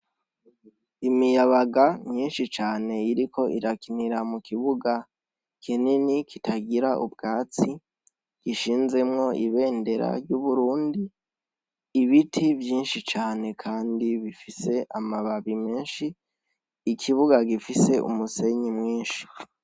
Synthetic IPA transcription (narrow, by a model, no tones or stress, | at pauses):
imijaβaɡamɲiːnʃit͡ʃaːne̞iɾikʰo̞ʔiɾakiniɾamukiβuɡa | kʰininikʰitʰaɡiɾaʔṵbɡaːt͡si | ɡ̥iʃiːnze̞mŋo̞iβe̞ːnde̞ɾa̰ɾjuβuɾuːndiː | βitʰivjiːnʃit͡ʃaːne̞kʰaːndiβifise̞ʔamaβaβime̞ːnʃiː | kʰiβuɡaɡifise̞ṵmuse̞ɲimŋiːnʃi̥